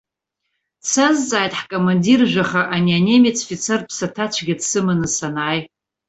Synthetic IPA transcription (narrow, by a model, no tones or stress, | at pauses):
sʰazt͡sʼaːjtʼħkʼomandirʒᶣʷaχaʔaniane̞mit͡sʰfit͡sʰerpʰsatʰat͡ʃʷʰɡʲadsɨmanɨsanaːj